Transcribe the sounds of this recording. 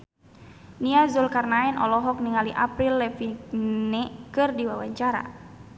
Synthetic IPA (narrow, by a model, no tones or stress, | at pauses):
niazulkarnaɛnʔɔ̰lɔɦɔk̚niŋaliʔa̰pɾilːɛfinɛkɨrdiwawaɲt͡ʃaɾa̰